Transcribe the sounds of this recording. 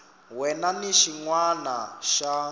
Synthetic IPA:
wɛnaniʃiŋwanaʃa

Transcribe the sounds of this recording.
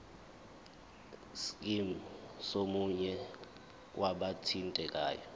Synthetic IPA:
sk̬ʼimusomuɲɛ | wʔaɓatʰintʼɛk̬ʼa̰ːjɔ

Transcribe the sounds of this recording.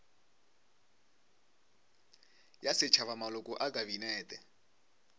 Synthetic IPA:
jasɪt͡ʃʰaβamalɔkʼɔʔakʼaβinɛːtɛ

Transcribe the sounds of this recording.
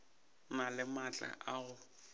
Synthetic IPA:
nalɪmat͡ɬʼa̰ʔaɣʊ

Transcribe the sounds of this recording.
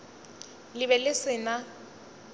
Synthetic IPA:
lɪβɛlɪsɪna

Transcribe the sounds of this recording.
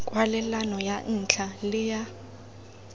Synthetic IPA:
kʼwalɛlanɔjan̩t͡ɬʰalɪja

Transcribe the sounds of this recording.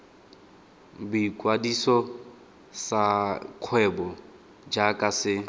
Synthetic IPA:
bikʼwadisɔ | sakʰwɛbɔ | d͡ʒakʼasɪ

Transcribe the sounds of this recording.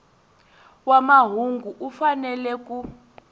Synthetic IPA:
wamaɦuŋɡuʔufanɛlɛk̬ʼu

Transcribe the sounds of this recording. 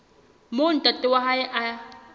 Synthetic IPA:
mʊntat̪ɪwaɦaʔa

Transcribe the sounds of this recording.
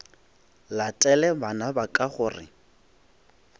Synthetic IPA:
latʼɛlɛbanabakʼaχʊːrɪ̰

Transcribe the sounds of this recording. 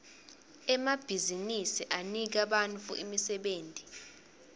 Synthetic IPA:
ɛmab̥ʱizinisiʔanik̬aɓant͡fʰʼṵʔimisɛɓeːntʼi̥

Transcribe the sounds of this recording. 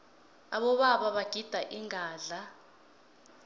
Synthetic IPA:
aɓɔɓaɓaɓaɡ̥ʱid̥ʱaʔiŋʱaːɮa

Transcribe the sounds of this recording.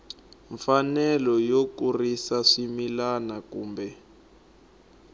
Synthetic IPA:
ɱfanɛlɔjokurisaʂimilanakuːmbɛ

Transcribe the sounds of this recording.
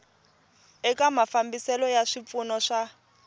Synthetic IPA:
ɛkamafambisɛlɔjaʂip̪funɔʂa

